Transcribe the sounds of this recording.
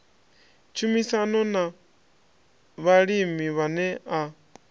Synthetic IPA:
t͡ʃʰumisanɔna | βaɺimiβanɛʔa

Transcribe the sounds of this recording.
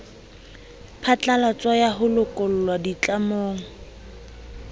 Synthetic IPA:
pʰat͡ɬʼalat͡sʼwajaɦʊlʊkʼʊlʊlwadit͡ɬamoːŋ̩

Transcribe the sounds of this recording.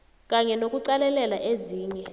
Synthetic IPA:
kʼaɲɛnokʼuǀalɛlɛlaʔeziːɲɛ

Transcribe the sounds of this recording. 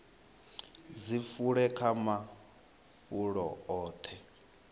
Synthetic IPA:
d͡zifuɺɛkʰama | puɺɔ̰ɔːt̪ʰɛ

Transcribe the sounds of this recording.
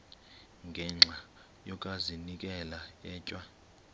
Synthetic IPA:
ŋɡʱɛŋ͡ǁʱa | jɔkʼazinikʼɛlajɛːcʼwa

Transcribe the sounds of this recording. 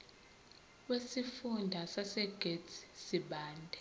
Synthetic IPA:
wesifundʱasasɛɡ̥ʱetsiɓaːndʱɛ

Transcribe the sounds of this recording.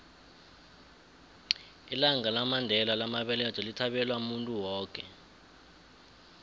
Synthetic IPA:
ilaŋalamandʱɛlalamaɓɛlɛd̥t͡ʃʼɔlitʰaɓɛlwamuntʼuwɔːkʼɛ

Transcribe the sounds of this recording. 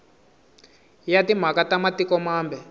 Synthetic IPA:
jatim̤akatamatikɔmaːmbɛ

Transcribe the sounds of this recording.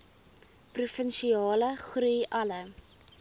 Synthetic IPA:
prufənʃiɑːləχrujʔɐlə

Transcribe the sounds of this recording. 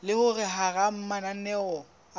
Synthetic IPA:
lɪhʊrɪɦaram̩mananɛɔ

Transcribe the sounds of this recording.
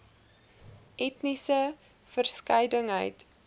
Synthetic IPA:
ʔɛtnisə | fərskəjdəŋɦə̰jt

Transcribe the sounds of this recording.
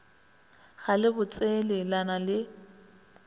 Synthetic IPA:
ɣalɪbʊt͡sʼelɪlanalɪ

